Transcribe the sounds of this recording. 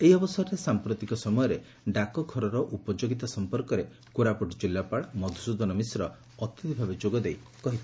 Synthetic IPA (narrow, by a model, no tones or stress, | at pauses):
eiɔbɔsɔɔɾesampɾot̪ikɔsɔmɔjɔɾe | ɖakɔkʰɔɾɔɾɔʔupɔd͡ʒoɡit̪asɔmpɔɾkɔɾe | kuɾapuʈd͡ʒilːapaɭmɔd̪ʱusud̪ʱɔnɔmisɾɔː | t̪it̪ibʱabed͡ʒoɡɔd̪ejkɔɦit̪i